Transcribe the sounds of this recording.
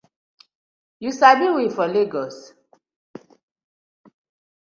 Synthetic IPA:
jusabiwifɔleɡɔs

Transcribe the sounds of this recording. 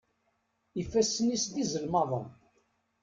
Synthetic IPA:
ifːæsənist̪izəlmɑðˤən

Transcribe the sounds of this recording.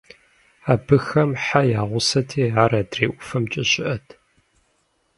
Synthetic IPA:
aːbɨxɐmħajaːʁʷʊsɐtʰiːaɾɐdreːʔʷʊfɐmt͡ʃʼɪɕʼɪʔɐtʰ

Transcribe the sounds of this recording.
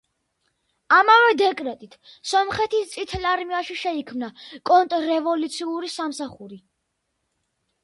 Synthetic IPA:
amavɛd̪ɛkʼɾɛt̪ʼit̪ʰ | sɔmχɛt̪ʰist̪sʼit̪ʰɛlaɾmiaʃiʃɛikʰmnakʼɔnt̪ʼɾɛvɔlut̪sʰiuɾisamsaχuɾi

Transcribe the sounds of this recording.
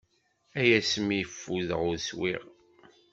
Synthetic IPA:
æjæsmijəfːuðəʁʊɾswḭʁ

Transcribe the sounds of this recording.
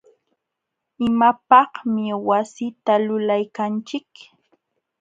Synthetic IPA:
ɪmapɑhmɪwasɪt̪alʊlajkant͡ʃɪk

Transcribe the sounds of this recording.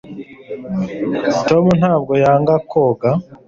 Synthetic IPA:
tomun̥haːb̚ɡo̞jaːŋɡakʰoɡa

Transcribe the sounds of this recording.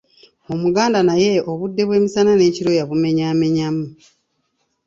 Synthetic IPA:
o̞muɡaːndanaje̞oβudːe̞βwe̞ːmisanane̞ːciɾo̞jaβume̞ɲaːme̞ɲamu

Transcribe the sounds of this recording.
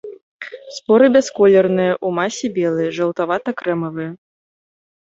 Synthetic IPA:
spɔɾɨbʲɛskɔlʲɛrnɨjɐʔumasʲibʲɛlˠɨjɛʐɐwˠt̪avat̪ɐkɾɛmɐvɨjɐ

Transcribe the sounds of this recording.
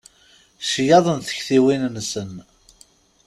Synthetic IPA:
ʃjɑðˤənθə̥çθiwinnsən

